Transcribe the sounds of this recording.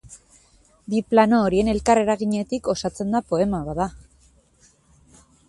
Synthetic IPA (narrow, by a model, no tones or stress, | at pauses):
biplano̞ːɾie̞ne̞lkare̞ɾaɣiɲe̞t̪iko̞sat͡se̞nd̪apo̞e̞maβaða